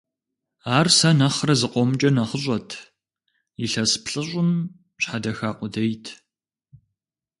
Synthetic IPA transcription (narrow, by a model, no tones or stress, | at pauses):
aːrsɐnɐχrɐzɨqʷʼɔmt͡ʃʼɐnɐχəɕ̬ʷʼɔtʰ | jiɬɐspɬʼɨɕʷʼʊm | ɕħadɐxaːqʷʼʊdɐjtʰ